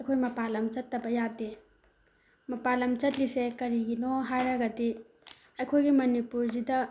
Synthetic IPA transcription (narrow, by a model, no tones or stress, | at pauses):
ɐjkʰojmɐpalɐmt͡ʃɐtːɐbɐjade | mɐpalɐmt͡ʃɐt̚lisekɐɾiɡinoɦajɾɐɡɐdi | ɐjkʰojɡimɐnipuɾzidɐ